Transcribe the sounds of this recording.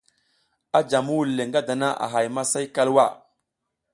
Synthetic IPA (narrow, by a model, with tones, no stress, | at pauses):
a˦d͡ʒa˨mu˦wu˨lːe˨ŋɡa˦da˨na˦ʔa̰˨ɦa˨jma˦sa˦jka˦lwa˦˨